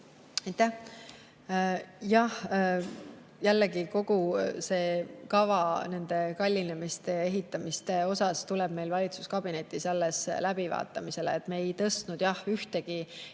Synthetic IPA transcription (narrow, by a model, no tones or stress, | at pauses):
ɑjt̪æh | jɑh | jælːeɡiko̞ɡuse̞ːkɑvɑne̞nd̪̥e̞kɑlʲːinemist̪e̞e̞ɦit̪ˑːɑmist̪e̞o̞sɑst̪uleb̥̚me̞jlvɑlʲit̪su̥skɑb̥ine̞t̪ːˑisɑlːe̞slæb̥ivɑ̰ːt̪ːˑɑmise̞lḛːt̪meːjt̪ɤst̪nud̪̥jɑhyht̪e̞ɡ̥i